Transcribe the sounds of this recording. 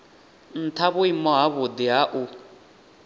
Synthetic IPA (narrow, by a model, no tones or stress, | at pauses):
n̩t̪ʰaβʊimɔɦaβʊd̪iɦaʔu